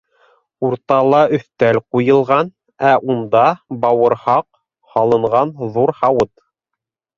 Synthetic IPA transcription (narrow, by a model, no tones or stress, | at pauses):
uɾt̪ɑlˠɑʔɵ̆θt̪ælqujɤ̆lˠʁɑn | æʔund̪ɑbɑwɤ̆ɾhɑq | hɑlˠɤ̆ɴʁɑnðuɾhɑwɤt̪